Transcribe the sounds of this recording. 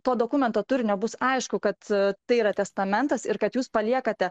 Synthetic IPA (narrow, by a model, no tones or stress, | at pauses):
t̪oːd̪oːkʊmʲɛnt̪oːt̪ʊɾʲɪnʲɛbʊsɐɪʃkʊkɐt̪t̪ːɐɪiːɾɐt̪ʲɛst̪ɐmʲɛnt̪ɐsɪɾkɐt̪juːspɐlʲiɛkɐt̪ʲɛ